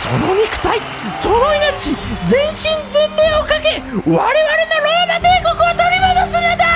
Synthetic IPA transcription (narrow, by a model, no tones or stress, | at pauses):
so̰nomʲikɯ̟̥t̪ai | soːd̪oinaɾit͡ɕid͡zẽ̞ɰ̃ɕĩnzẽ̞nɾe̞ːokake̞βaɾe̞βaɾe̞naɾod̪at̪eːkokɯot̪oɾʲimod̪osɨned̪a